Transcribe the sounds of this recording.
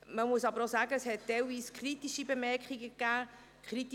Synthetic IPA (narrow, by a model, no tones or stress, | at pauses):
məmuəsɑbəɾosæːɡəshɛt̚d̥ɛlviːskʰɾitiʃibemɛɾkχiɡəkːæː | kχɾit